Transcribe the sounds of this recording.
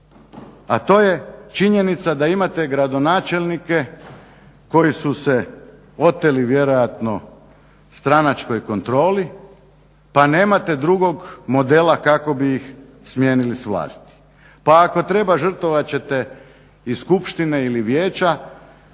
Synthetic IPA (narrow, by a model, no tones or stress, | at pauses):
at̪o̞ːje̞t͡ʃiɲe̞nit̪sad̪aimat̪e̞ɡɾad̪o̞naːt͡ʃelʲnike̞ | ko̞jisuse | o̞t̪ːeliʋje̞ɾo̞jat̪no̞ | st̪ɾanat͡ʃko̞jko̞nt̪ɾo̞ːli | pane̞ːmat̪e̞d̪ɾuɡo̞ɡmo̞d̪e̞lˠakako̞bijix | smjeːnilisʋlˠa̰ːst̪i̥ | paːko̞t̪ɾe̞baʒr̩t̪oʋat͡ɕe̞t̪e | iskupʃt̪ineiliʋjeːt͡ɕa